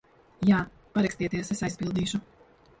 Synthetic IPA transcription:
jaː | paɾɛkst̪iɛt̪iɛsesajspilˠd̪iːʃu

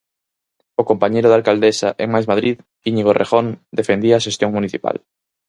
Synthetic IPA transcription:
okompaɲejɾʊðalkald̪esaʔeŋmajzmaðɾið | ɡiɲiɣorʔḛxond̪efend̪iaːʃest̪joŋmuniθipa̰l

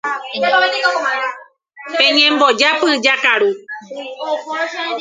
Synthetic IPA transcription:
pẽɲẽmbod͡ʒapɨd͡ʒakaɾu

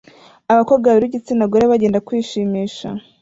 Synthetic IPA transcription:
aβakobɡaβiɾiɟit͡sinaɡoɾeβaɟe̞ːndakwiːʃiːmiːʃa̰

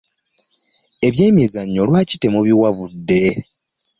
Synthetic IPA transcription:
e̞βje̞ːmizaɲːolwaːci̥te̞muβiwaβudːe̞

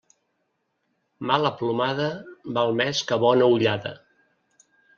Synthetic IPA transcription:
maləplumaðəbalˠmɛskəβɔnəuʎaðə̰

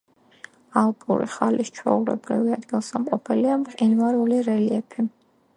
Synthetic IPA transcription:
alˠpʼṵɾiχalʔist͡ʃʰɾɔ̰uɾɛ̰bɡɾḭviad̪ɡilˠsamqʼɔpʰɛliamqʼinvaɾuliɾɛliɛpʰi

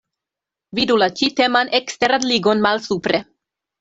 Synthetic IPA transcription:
vidulat͡ʃite̞manekste̞ɾanliɡo̞nmalsupɾe̞

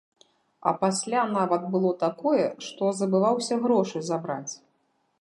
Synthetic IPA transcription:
ɐ̰pasʲlʲanavɐd̪̚bɨlˠɔt̪akɔjɛʂt̪ɔzɐbɨvawsʲɐɣɾɔʂɨzabɾat͡sʲ

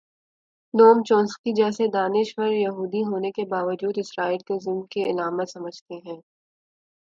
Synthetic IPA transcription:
noːmt͡ʃɔ̃ːnskid͡ʒɛːsed̪aːnɪʃʋɐɾjɐɦuːd̪iɦoːnekebaːʋəd͡ʒuːd̪ɪsɾaːiːlkezɪlmkeɪlaːmət̪sɐməd͡ʒʱt̪eɦɛ̃ː

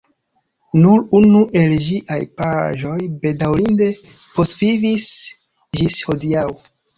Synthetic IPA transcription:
nuɾunuʔe̞lʒiʔajpaʒo̞jbe̞dawɾinde̞ | po̞svivis | d͡ʒisho̞diaw

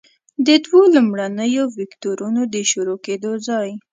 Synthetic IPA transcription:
d̪əd̪wolumɽanəjovɪkt̪oɾunod̪əʃuɾoked̪ozɑj

